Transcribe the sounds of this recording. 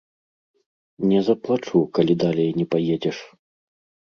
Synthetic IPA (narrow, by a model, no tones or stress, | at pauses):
nʲɛzɐplˠat͡ʂukalʲid̪alʲejnʲɛpajed͡zʲɛʂ